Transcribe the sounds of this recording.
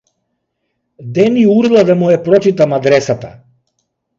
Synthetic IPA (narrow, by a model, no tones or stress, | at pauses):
d̪ɛniuɾlˠad̪amujɛpɾɔt͡ʃit̪amad̪ɾɛsat̪a